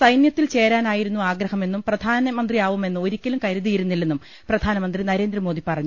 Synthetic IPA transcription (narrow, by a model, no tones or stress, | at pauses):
sɐjnjɐt̪ːilt͡ɕe̞ːɾaːnaːjiɾunːuaːɡɾɐhɐme̞nːumprɐd̪ʱaːnɐmɐnd̪rijaːʋume̞nːɨo̞ɾikʲːɐlumkɐɾuðijiɾunːilːenːum | prɐd̪ʱaːnɐmɐnd̪rinɐɾe̞ːnd̪rɐmo̞ːd̪ipɐrɐɲːu